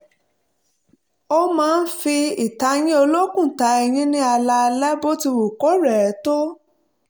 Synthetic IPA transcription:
o˧mãː˦˧n̩˦fi˧i˨ta˨˧j̃ĩ˦o˧lo˦kũ˦˨ta˨˦ɛ˧j̃ĩ˦nĩ˦a˧la˧lɛ˦bo˦ti˧wu˨kɔ˨˦ɾɛ˨ɛ˨˦to˦

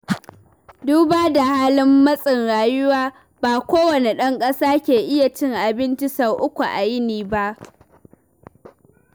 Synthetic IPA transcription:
duː˦baː˦da˨haː˦lɪ˦mːɐ˦sʼɪ˨nɽaː˨jʊ˦waː˦ | baː˨kʷoː˦wɐ˨ne˨ɗɐ˦ŋkʼɐ˦saː˦kʲeː˨ʔɪ˦ja˨t͡ʃɪ˦ŋʔa˨bɪ˦nt͡ʃi˦sa˨wʔʊ˦kʷu˨ʔa̰˨jɪ˦niː˨ba˦ʔ

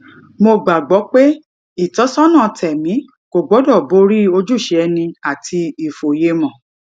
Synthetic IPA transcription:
mo˧ɡ͡ba˨ɡ͡bɔ˨˦k͡pe˦ | i˨tɔ˨˦sɔ˦nã˦˨˧tʰɛ˨mĩ˨˦ | ko˨ɡ͡bɔ˨˦dɔ˦˨bo˨˦ɾi˦o˧d͡ʒu˦˨ʃɛ˧˦ɛ˧nĩ˧a˨tʰi˧i˨fo˨je˧mɔ̃˨

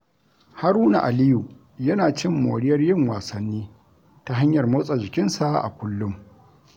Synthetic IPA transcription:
ha˦ɾuː˦na̰˨ʔa˨lɪ˦ju˨ | jɐ˦naː˨t͡ʃɪ˦mːo̰ː˨ɽɪ˦jɐ˦rjɪ˦ŋwaː˨sɐ˦nːiː˦ | ta˦ɦa˦ɲjɐ˨rmo˦sʼa˨d͡ʒɪ˨kʲɪ˦nsa˦ʔa̰˨kʷʊ˦lːʊ˦m

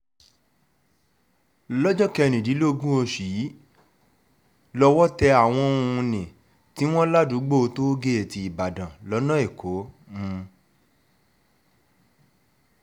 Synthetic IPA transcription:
lɔ˦d͡ʒɔ˦kɛ˧nĩ˨di˨˦lo˦o˧ɡũ˦o˧ʃi˨˦ | lɔ˧wɔ˦tɛ˧a˨w̃ɔ̃˧nĩ˨ | ti˦w̃ɔ̃˦la˦du˨˦ɡ͡bo˦o˧to˦ɡe˦e˦˨ti˧i˨ba˨dã˨lɔ˨˦nã˦e˦˨kʰo˨˦ | ũ˧

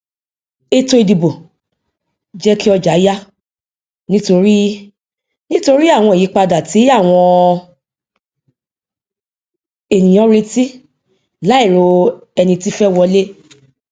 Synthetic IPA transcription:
e˧to˧i˨di˨bo˨ | d͡ʒɛ˦ki˦ɔ˧d͡ʒa˨˦ja˦ | nĩ˦to˧ɾi˦ | nĩ˦to˧ɾi˦a˦˨w̃ɔ̃˧e˨i˨˦k͡pa˧da˨ti˨˦a˦˨w̃ɔ̃˧ | e˨nĩ˨ɔ̃˨˦ɾe˧ti˦ | la˨˦i˦˨ɾo˧ɛ˧nĩ˧ti˦fɛ˦wɔ˧le˦

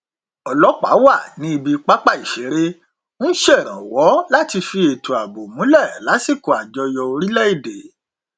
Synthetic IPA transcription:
ɔ˨lɔ˨˦k͡pa̰˨˦wa˦˨nĩ˨˦i˧bi˧k͡pa˦k͡pa˦˨i˨ʃe˨˦ɾe˦ | ñ̩˦ʃɛ˦˨ɾ̃ã̰˨wɔ˨˦la˦ti˧fi˧e˨tu˨a˨bo˨mũ˨˦lɛ˦˨la˨˦si˦˨ko˨a˨d͡ʒɔ˧jɔ˧o˧ɾi˦lɛ˦i˦˨de˨

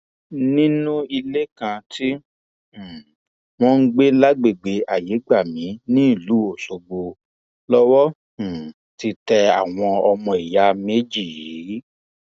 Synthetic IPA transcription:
nĩ˦nũ˦i˧le˦kã˧ti˦˨ | w̃ɔ̃˦n̩˦ɡ͡be˦la˦ɡ͡be˦˨ɡ͡be˨˦a˨je˨˦ɡ͡ba˦˨mĩ˨˦nĩ˦˨lu˨˦o˨so˧ɡ͡bo˧ | lɔ˦wɔ˦˨ | ti˧tɛ˧a̰˨w̃ɔ̃˧ɔ˧mɔ̃˧i˨ja˨˦me˨˦d͡ʒi˦˨ji˨˦

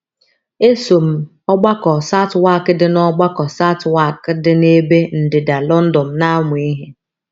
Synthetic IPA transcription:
e˦so˨m̩˨ | ɔ˦ɡ͡ba˦kɔ˨sa˦twa˦˨kɪ˦dɪ˦nɔ˦ɡ͡ba˦kɔ˨sa˦twa˦˨kdɪ˦ne˦be˦n̩˨dɪ˨da˨lɔ˦n̩˦dɔ˨m̩˨˦na˦ŋʊ˨i˦ɦe˦

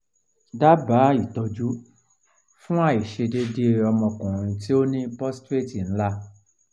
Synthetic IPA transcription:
da˦ba˨˦i˦˨tɔ˧d͡ʒu˦ | fũ˦a˦˨i˨ʃe˧de˦de˦ɔ˧mɔ̃˧kũ˨ɾ̃ũ˧ti˦o˦nĩ˦pɔ˦ste˦˨ti˨ñ̩˦la˦

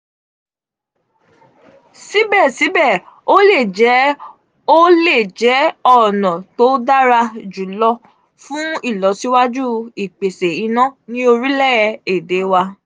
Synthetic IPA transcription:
si˦bɛ˦˨si˨˦bɛ˦˨o˦le˦˨d͡ʒɛ˨˦ | o˦le˦˨d͡ʒɛ˨˦ɔ˦˨nɔ̃˨to˨˦da˦ɾa˧d͡ʒu˨˦lɔ˧ | fũ˦i˦˨lɔ˨˦si˨˦wa˦d͡ʒu˦i˨k͡pe˨se˨i˧nɔ̃˦nĩ˦o˧ɾi˦lɛ˦˨˧e˨de˨˦wa˧

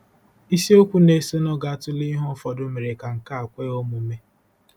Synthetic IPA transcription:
i˦si˦o˦kʷu˦ne˦so˦nɔ˦ɡa˨tʊ˦li˦ɦɔ˦fɔ˨dʊ˦me˨ɾe˨ka˨ŋ̩˨ka˦a˨kʷe˦o˦mʊ˨˦me˦

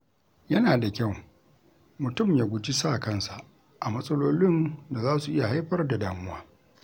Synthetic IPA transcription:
jɐ˦naː˨da˨kʲɐ˦˨w | mʊ˨tʊ˦˨mjaː˦ɡʷʊ˦t͡ʃi˦saː˦˨kɐ˦˨nsa˨ | ʔa˨mɐ˦sʼɐ˦loː˦lɪ˦nda˨zaː˦su˨ʔɪ˦ja˨ɦa˦jɸɐ˦rda˨daː˨mʊ˦waː˦

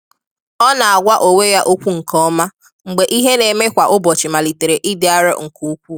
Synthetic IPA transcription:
ɔ˦na˨a˨ɡʷa˦ʔo˨we˦ja˦ʔo˦kʷu˦ŋ̩˨kɔ˦ma˦ | ŋ͡m̩˨ɡ͡be˨ʔi˦ɦe˦ne˨me˦kʷa˨ʔʊ˦bɔ˨t͡ʃɪ˨ma˨li˨te˨ɾe˨ʔi˦dɪ˨˦a˦ɾḛ˦ŋ̩˨ku˦kʷu˦

